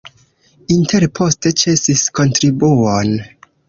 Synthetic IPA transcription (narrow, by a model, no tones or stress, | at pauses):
intʰe̞ɾpʰo̞ste̞t͡ʃe̞sisko̞ntɾibuon